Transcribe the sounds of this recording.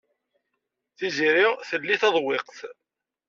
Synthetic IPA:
θiziɾiʁθəlːiθɑðˤwɪqθ

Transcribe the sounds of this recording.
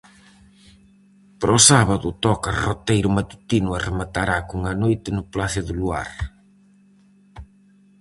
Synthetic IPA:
pɾɔsaβɐðʊt̪ɔkɐrot̪ejɾʊmat̪u̥t̪inʊɐremat̪aɾakuŋɐnojt̪ɪnʊplaθɪðʊlua̰ɾ

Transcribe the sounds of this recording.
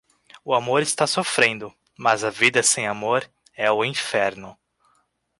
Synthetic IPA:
ʊamoɾɪst̪asofɾẽnd̪ʊ | mɐzɐvid̪ɐsẽj̃amoɾ | ɛʊĩfɛɾnʊ

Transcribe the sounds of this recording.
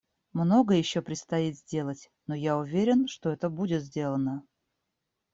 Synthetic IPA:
mno̞ɡəjɪɕːopɾʲɪt̪st̪ɐit̪zʲdʲe̞lˠətʲ | no̞jaʊvʲeɾʲɪnʂt̪oɛt̪əbudʲɪt̪zʲdʲe̞lˠənə

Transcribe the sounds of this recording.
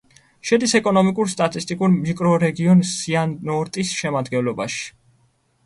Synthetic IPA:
ʃɛd̪isɛkʼɔnɔmikʼuɾst̪ʼat̪ʼist̪ʼikʼuɾmikʼɾɔɾɛɡiɔnsianːɔɾt̪ʼisʃɛmad̪ɡɛnlˠɔbaʃi̥

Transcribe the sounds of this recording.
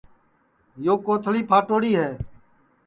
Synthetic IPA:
joːkoːt̪ʰliːpʰaːʈoːɽiːɦɛː

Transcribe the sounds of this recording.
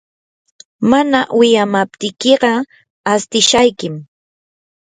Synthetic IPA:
manawɪjamap̚t̪ɪjkeɢɑ | ast̪ɪʃajkɪm

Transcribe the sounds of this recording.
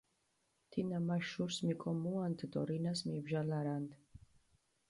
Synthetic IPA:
t̪ʰinamaʃuɾsmikʼɔmuand̪ʰd̪ɔ̰ɾinasmibʒalaɾand̪

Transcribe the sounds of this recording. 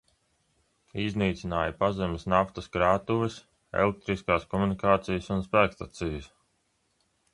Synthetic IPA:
izniːt̪sinaːjapazɛmsnaft̪ɐskɾaːt̪uvis | ɛ̰lek̚t̪ɾiskaːskɔmunikaːt̪sijəsunspæːkst̪at̪sijɐs

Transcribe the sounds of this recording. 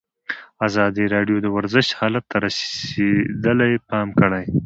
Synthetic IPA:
azɑd̪iɾɑɖjod̪əwaɾzəʃthɑlat̪ːaɾased̪əlajpɑmkəɽaj

